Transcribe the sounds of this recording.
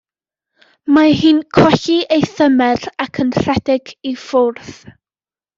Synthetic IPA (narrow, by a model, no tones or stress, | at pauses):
maɦɨːnkʰɔɬiejθəmɛrakʰənr̥ɛdɪɡifʊrθ